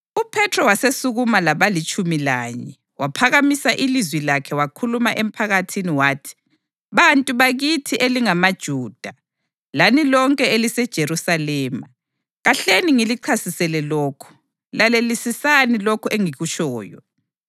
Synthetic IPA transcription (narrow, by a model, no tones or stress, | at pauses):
upʰɛtʰrɔwasesuɣumalaβalit͡ʃʼumilaːɲɛ | wapʰaɣamisaʔilizwilakʰɛwakʰulumaʔem̩pʰaɣatʰiniwaːtʰi̥ | βantʼuβaɣitʰiʔeliŋamad̥ʒ̥ʱuːd̥ʱa | lanilɔŋkʼɛelisɛd̥ʒ̥ʱeɾusalɛːma | ɣaɬeniŋiliǃʰasisɛlɛloːkʰu̥ | lalelisisanilokʰueŋiɣut͡ʃʰʼɔːjɔ̰